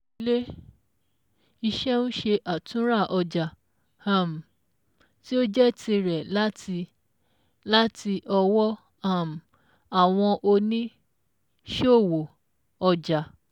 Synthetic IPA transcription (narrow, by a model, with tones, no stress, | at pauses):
le˦ | i˧ʃɛ˦nũ˦ʃe˧ʔa˨tũ˦ɾa˦˨ʔɔ˧d͡ʒa˨ | a˦˨m̩˨ | ti˦o˦d͡ʒɛ˦tʰi˧ɾɛ˨la˦˧ | la˦ti˧ʔɔ˧wɔ˦ | a˦˨m̩˨ | a˨w̃ɔ̃˧ʔo˧nĩ˦ | ʃo˦˨wo˨ | ɔ˧d͡ʒa˨